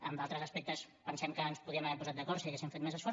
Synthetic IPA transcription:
əmd̪alˠt̪ɾəzəspɛk̚t̪əs | pənsɛmkəəːnspuðiəmaβɛɾpuzat̪̚d̪əkɔɾsiəɣesimfet̪mezəsfɔɾ

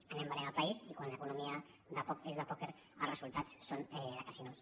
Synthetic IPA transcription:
anẽmbanemalpaisikwanlekunumia | d̪apɔkezðapɔkeɾ | alrəsulˠt̪at͡ssonɛðakasinos

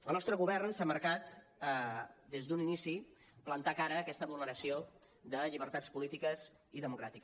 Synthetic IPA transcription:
ə̰lˠnɔst̪ɾəɣuβɛrnsaməɾkat̪ | d̪ezd̪uninisi | plənt̪akaɾəːkɛst̪əβlˠnəɾəsio | d̪əʎiβ̞əɾt̪at͡spulit̪ikəz | iðəmukɾat̪ik

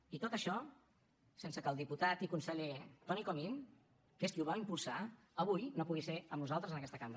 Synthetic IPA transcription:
it̪ot̪əʃɔ | sensəkəlˠd̪iput̪at̪ikunsəʎet̪ɔnikomin | keskiuβaimpulˠsa | əβ̞ujnopuɣiseəmnuzalˠt̪ɾəzənəkɛst̪əkamb

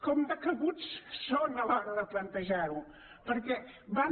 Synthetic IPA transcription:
kɔmd̪əkəβut͡ssonəlɔɾəðəplənt̪əʒaɾu | pəɾkɛβa

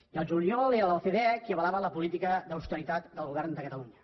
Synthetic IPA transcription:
iəlˠʒuliɔleɾələlˠθeðekiəβəlaβələpulit̪ikəðəwst̪əɾit̪at̪d̪əlˠɣuβɛɾnd̪əkət̪əluɲə

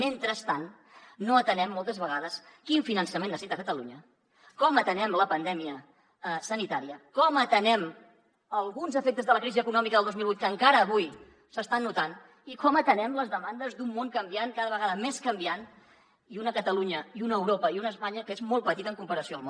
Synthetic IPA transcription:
ment̪ɾəst̪anː | oət̪ənɛmːɔlˠt̪əzβəɣ̞aðəskiɱfinənsəmenəsit̪əkət̪əluɲə | kɔmət̪ənɛmləpənd̪ɛmiə | əsənit̪aɾiəkɔmət̪ənɛm | əlˠɣunzəfek̚t̪əzðələkɾiziəkunɔmikəðəlˠd̪ozmilˠβut̪kəŋkaɾəːβuj | səst̪anːut̪an | ikɔmət̪ənɛmləzðəmand̪əzd̪umːoŋkəmbiaŋkaðəβ̞əɣaðəmeskəmbian | iunəkət̪əluɲəiunəwɾopəiunəspaɲəkəezmɔlˠpət̪it̪əŋkumpəɾəsioəlˠmo

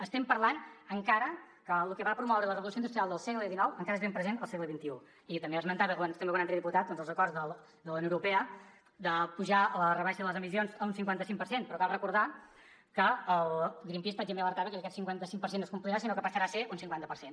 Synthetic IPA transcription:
əst̪ɛmpəɾlanəŋkaɾə | kəlukɛβapɾumɔwɾələrəβulˠusoinust̪ɾialˠd̪əlˠsɛɣləðinɔwəŋkaɾəezβempɾəzenəlˠsɛɣləβint̪iu | it̪əmbeəzmənt̪aβəkanst̪embekwanant̪ɾɛðiput̪at̪̚d̪ɔnzəlˠzəkɔrzðəl | ðələwnowuɾupɛə | d̪əpuʒaələrəβaʃəðələzəmis̬ionzəunsiŋkwant̪əsiŋkpəɾsenpɾɔkalˠrəkuɾða | kəəlˠɡɾimpispad͡ʒemeələɾt̪aβəkəkɛt̪siŋkwant̪əsiŋkpəɾsenːoskumpliɾas̬inokəpəsəɾaseunsiŋkwant̪əpəɾsen

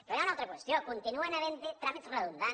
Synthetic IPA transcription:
peɾoaunaowt̪ɾakwest̪jokont̪inuenaβent̪et̪ɾamit̪sreðund̪a

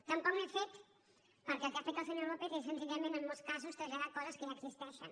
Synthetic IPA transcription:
t̪əmpɔkmefet̪ | pəɾkɛlˠkafet̪aəlˠsəɲoɾlopet̪es̬ənziʎəmẽnəmːolˠskazust̪ɾəʒaðakɔzəskəəɡsist̪ɛʃən

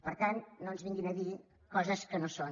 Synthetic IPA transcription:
pəɾt̪annonzβiŋɡinəði | kɔzəskənoson

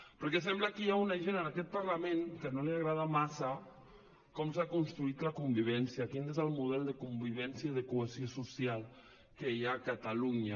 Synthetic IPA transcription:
pəɾkesɛmblakijaunaʒenənakɛt̪̚paɾlameŋkənoliaɣɾaðamasa | kɔmsakunst̪ɾuit̪lakumbiβ̞ɛnsjakinezəlˠmuðɛlˠd̪əkumbiβ̞ɛnsjaðəkueziosusialˠ | kejakat̪aluɲa

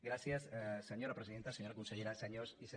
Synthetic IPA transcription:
ɡɾasjasseɲo̞ɾapɾesiðent̪aseɲoɾakonseʎeɾaseɲosise

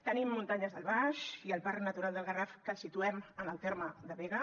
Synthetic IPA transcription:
t̪ənimːunt̪aɲəzðəlˠβaʃiəlˠparnət̪uɾalˠd̪əlˠɣərafkəlsit̪uɛmənəlˠt̪eɾməd̪əβeɣə

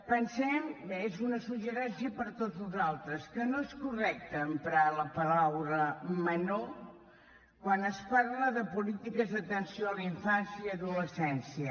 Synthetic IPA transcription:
pənsɛmezunəsuʒəɾɛnsiəpəɾt̪od͡zuzalˠt̪ɾəskənoeskurɛk̚t̪əːmpɾaləpəlawɾəməno | kwanəspaɾləðəpulit̪ikəzðət̪ənsioliɱfansjəːðuləsɛnsiə

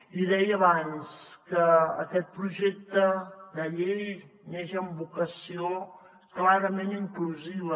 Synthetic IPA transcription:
iðɛjəβanskəːkɛt̪̚pɾuʒek̚t̪əd̪əʎej | neʒəmbukəsio | klaɾəmeniŋkluziβə

